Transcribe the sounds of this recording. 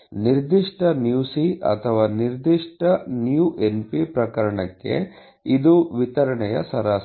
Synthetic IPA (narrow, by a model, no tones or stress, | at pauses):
niɾd̪iʂʈɐnjuːsiʔɐ̰t̪ʰɐʋaːniɾd̪iʂʈɐnjuːʔenpipɾɐkɐɾɐɳɐkːe̞̰ | id̪uʋit̪ɐɾɐɳɛjɐ̰sɐɾaː